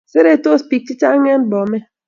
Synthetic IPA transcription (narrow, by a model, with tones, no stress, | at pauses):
se˦ɾe˦to˦spi˨k̚t͡ʃi˦t͡ʃa˦ŋɛ˦nbɔ˨mɛ˦